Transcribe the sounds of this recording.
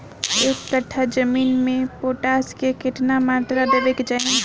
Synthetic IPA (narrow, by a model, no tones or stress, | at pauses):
eːkkəʈʰːad͡ʒəmiːnmẽpoːʈaːskekɪʈnamaːt̪ɾad̪ebekd͡ʒa